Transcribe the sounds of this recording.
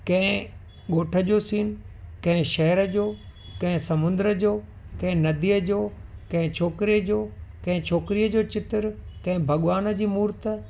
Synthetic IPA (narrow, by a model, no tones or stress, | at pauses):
kɐ̃ɦɪ̃ | ɠoːʈʰəd͡ʑoːsiːnkɐ̃ɦɪ̃ʃɐɦəɾəd͡ʑoːkɐ̃ɦɪ̃sɐmʊ̃nd̪əɾəd͡ʑoː | kɐ̃ɦɪ̃nɐd̪ijəd͡ʑoːkɐ̃ɦɪ̃t͡ɕʰoːkɾid͡ʑoːkɐ̃ɦɪ̃t͡ɕʰoːkɪɾiəd͡ʑoːt͡ɕɪt̪əɾkɐ̃ɦɪ̃bʱɐɠʋaːnəd͡ʑiːmuːɾt̪ə